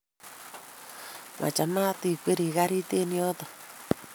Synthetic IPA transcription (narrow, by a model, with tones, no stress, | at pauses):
mʔa̰˨t͡ʃa˨ma˦ti˨kwe˦ɾi˨ɣa˦ɾi˦te˦ni˦ɔ˦t̪ɔ˨